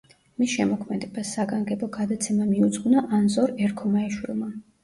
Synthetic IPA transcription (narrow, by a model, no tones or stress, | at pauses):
misʃɛmɔkʰmɛd̪ɛbasːaɡaŋɡɛbɔɡad̪at̪sʰɛmamiud̪zʼɡunaʔanzɔɾɛɾkʰɔmaɛʃwḭlˠma